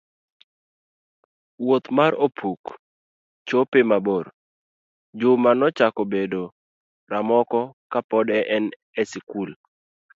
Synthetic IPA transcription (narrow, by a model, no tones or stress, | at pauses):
wot̪maɾopʰuk | t͡ʃopemaboɾ | d͡ʒʊmanɔt͡ʃakobedo | ɾamɔkɔkapɔdɛʔɛn | ɛsikul